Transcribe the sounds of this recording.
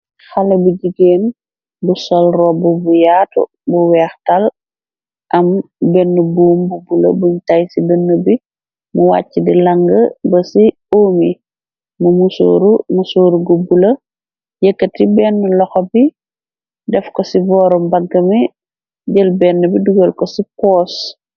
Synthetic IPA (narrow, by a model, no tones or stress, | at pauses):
xalɐbuɟiɡeːn | busɔlrɔbubujaːtṵ | buwɛːxtal | ʔɐmbɛnːubuːmbubulɐ̰buɲtajsidənːəbi | muwa̰cːidilaŋɡəbɐsi | oːmi | mumuso̰ɾumusoːɾuɡubulɐ | jəkːətibɛnːulɔxɔbi | dɛfkɔsibɔːɾɔmbɐɡːɐmi | ɟəlbɛnːəbiduɡəlkɔsipɔːs